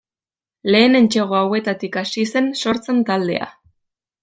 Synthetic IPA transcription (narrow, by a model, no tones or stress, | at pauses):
le̞ːne̞nt͡ʃe̞ɣ̞o̞awe̞t̪at̪ikasise̞nso̞ɾt͡se̞nt̪ald̪e̞̰a̰